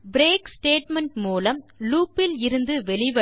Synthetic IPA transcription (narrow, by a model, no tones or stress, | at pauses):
bɾeːksʈeːʈmɛɳʈmuːlɐmluːpːɪlɪɾɯnd̪ɯʋɛlɪʋɐ